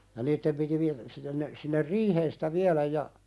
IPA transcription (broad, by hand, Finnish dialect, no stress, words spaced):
jɑ niːtːem piti ʋi sinːen ne sinːer riːheːn si̥tæ ʋiɑlæj jɑ